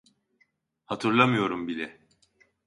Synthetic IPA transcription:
hat̪ʰɯɾlˠamɯjo̞ɾumbilʲɛ

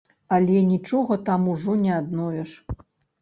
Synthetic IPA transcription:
alʲɛnʲit͡ʂɔɣɐt̪amuʐɔnʲɛad̪nɔvʲɛʂ

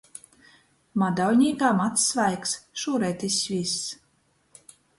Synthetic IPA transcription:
mad̪awlʲɲʲiːkaːmat̪sːvajksʃuːɾɛjt̪ʲisʲvʲisː

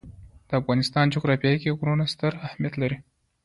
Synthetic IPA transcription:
d̪̥əafɣɑnɪst̪ɑnt͡ʃʊkɾɑpjɑikeɡɾunast̪əɾahmijat̪laɾi

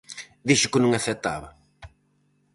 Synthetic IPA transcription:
d̪iʃʊkɪnɐ̃ŋɐθɛt̪a̰βɐ̰

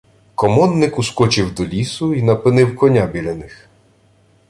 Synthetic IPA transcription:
kɔmɔnːɪkuskɔt͡ʃɪwd̪ɔlʲisʊinɐpɪnɪwkɔnʲabʲilʲɛnɪx

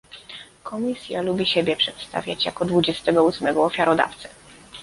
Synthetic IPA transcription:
kʰɔmʲisʲjalubʲiɕɛbʲjɛpʂɛt̪st̪a̰vʲjat͡ɕja̰kɔd̪vud͡ʑɛst̪ɛɡɔusmɛɡɔːfʲjaɾɔd̪a̰ft̪sɛ

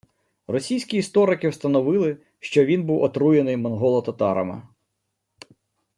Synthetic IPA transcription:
rɔsʲijsʲkʲiːst̪ɔɾɪkɪwst̪ɐnɔʋɪlˠɪ | ʃt͡ʃɔʋʲinbuwɔt̪ɾujenɪjmɔnɦɔlˠɔt̪ɐt̪ɑɾɐ̰mɪ̰

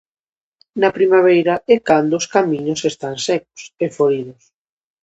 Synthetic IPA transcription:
nɐpɾimaβ̞ɛjɾɐekand̪oːskamĩɲʊsest̪ansɛko̥sefoɾiðʊs

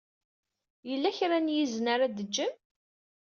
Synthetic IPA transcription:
jəlːæçɾænjiznaɾad̪əd͡ʒːəm

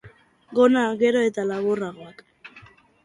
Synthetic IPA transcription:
ɡonaɡeɾoet̪alaβoraɣoak

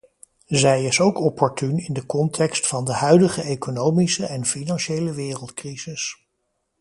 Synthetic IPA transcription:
zɛjɪsowkɔpːɔɹtynɪndəkɔntʰɛkstfɑndəɦœɥdəχəejkonowmisəʔɛnfinɑnʃejləʋɪːrəlˠtkriz̥ɪs

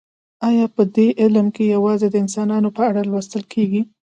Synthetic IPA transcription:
ɑjɑpəd̪eʔɪlmkejawɑzed̪əɪnsɑnɑnopəaɽalwəst̪əlkʰeɡi

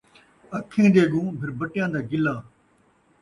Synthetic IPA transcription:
ɐkʰːẽːd̪eːɠũːbʰʱɪɾbəʈjãːd̪aːɡɪlaː

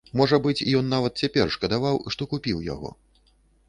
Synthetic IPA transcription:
mɔʐɐbɨt͡sʲḭjɔnːavɐt̪̚t͡sʲapʲɛrʂkɐd̪avawʂt̪ɔkupʲiwja̰ɣɔ̰

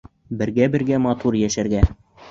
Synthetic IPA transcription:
bɘ̆ɾɡæbɘ̆ɾɡæmɑt̪uɾjæʃæɾɡæ

